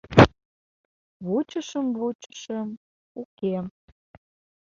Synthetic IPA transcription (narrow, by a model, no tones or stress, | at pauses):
βut͡ɕəʃəmβut͡ɕə̥ʃəm | ukem